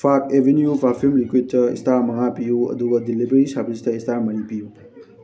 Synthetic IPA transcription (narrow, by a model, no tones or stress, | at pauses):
fʰakeʋenjufafʰimlikwitɐḭst̪amɐŋapijuɐ̰d̪uɡɐd̪ilːibeɾisabizit̪ɐist̪amɐɽipiju